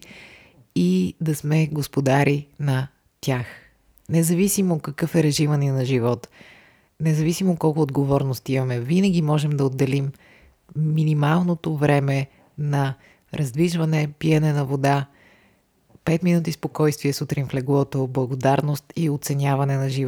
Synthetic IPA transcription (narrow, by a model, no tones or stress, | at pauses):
id̪ɐsmɛɡospod̪aɾinɐ | t̪ʲax | nɛzɐvisimoːt̪̚kɐkɤfɛɾɛʒimɐninɐʒivɔt̪ | nɛzɐvisimoːt̪̚kɔlˠkʊod̪ɡovɔɾnost̪imɐmɛvinəɡimɔʒɛmd̪ɐod̪ːɛlimː | inimalˠnot̪ovɾɛmɛ | nɐ | ɾɐzd̪viʒvɐnɛpiɛnɛnɐvod̪a | pɛt̪minut̪̬ispokɔjst̪viɛsut̪ɾinflɛɡvɔt̪oblˠɐɡod̪aɾnost̪iot̪sɛnʲjavɐnɛnɐʒiv